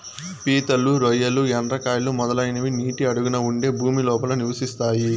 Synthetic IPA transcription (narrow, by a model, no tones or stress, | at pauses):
piːt̪ɐluɾojɐluɐnɾɐkaːjlumɔd̪ɐlɐjnɐʋiniːʈiɐɽuɡunɐuɳɖe̞ːbʱuːmilɔːpɐlɐniʋɐsist̪aːji